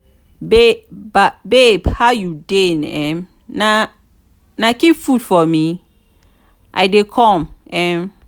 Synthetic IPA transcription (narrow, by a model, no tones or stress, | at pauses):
bebabebhajudenɛ̃m | na | nakifudfɔmi | ʔa̰jdekʰɔ̃mʔɛm